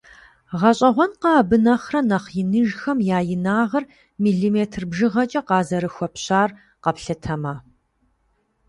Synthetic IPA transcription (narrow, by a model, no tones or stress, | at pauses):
ʁɐɕʼɐʁʷɔnqɑːbɨnɐχrɐnɐχjɪnɨʒxɐmjaːjɪnaːʁɐr | miːɮimeːtʰrbʒɨʁɐt͡ʃʼɐqɑːzɐɾɨxʷɔpɕaːr | qɐpɬɐtʰɐmaː